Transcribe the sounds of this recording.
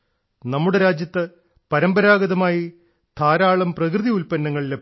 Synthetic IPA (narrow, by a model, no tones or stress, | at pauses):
nɐmːuɽe̞ɾaːd͡ʑjɐt̪ːɐ | pɐɾɐmbɐɾaːɡɐðɐmaːji | t̪ʰaːɾaːɭɐmprɐk̬rɨðiulpɐnːɐŋːɐɭile